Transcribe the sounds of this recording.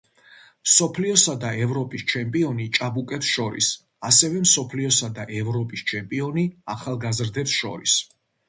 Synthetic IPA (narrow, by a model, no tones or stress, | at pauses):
msɔpʰliɔsad̪aɛvɾɔpʼist͡ʃʰɛmpʼiɔnit͡ʃʼabukʼɛpsʃɔɾḭs | asɛvɛmsɔpʰliɔsad̪aʔɛvɾɔpʼist͡ʃʰɛmpʼiɔniaχalˠɡazɾd̪ɛpsʃɔ̰ɾḭs